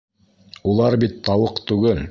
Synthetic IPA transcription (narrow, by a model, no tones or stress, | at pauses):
ulˠɑɾbit̪ːɑwɤqt̪ʉɡɘl